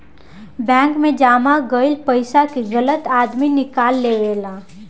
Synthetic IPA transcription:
bɛ̃ːŋkmẽd͡ʒaːmaɡəɪlpəɪsakiɣələt̪aːd̪minɪkaːlːeːʋeːlaː

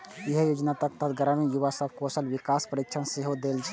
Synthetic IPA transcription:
eɦjoːd͡ʒnat̪ək̚t̪əd̪ɡəɾəmijuʋasəb̚kosəlwikaːspəɾikt͡ʃʰənseɦod̪eːld͡ʒʰ

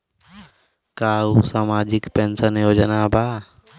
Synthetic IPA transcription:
kaːusaːmaːd͡ʒɪkpensənjoːd͡ʒənaːbʱaː

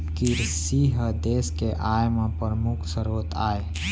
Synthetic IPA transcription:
kiɾsiɦəd̪eskeʔajmẽpəɾmukʰsəɾot̪ae

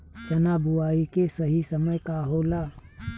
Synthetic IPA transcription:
t͡ʃɐnaːbʊwaːikesɐɦisəməjkaːɦoːlaː

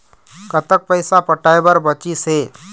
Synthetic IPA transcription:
kət̪ək̚pəɪsapəʈaːebəɾbət͡ʃiseː

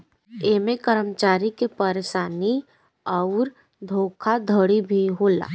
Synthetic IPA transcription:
eːmẽkəɾəmt͡ʃaːɾikepəɾeːʃaːni | ɔʊɾ | d̪ʱoːkʰad̪ʱəɽibʱiɦoːla̰ː

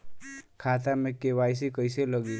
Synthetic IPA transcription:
kʰat̪amẽkeʋajs̬ikəjseləɡi

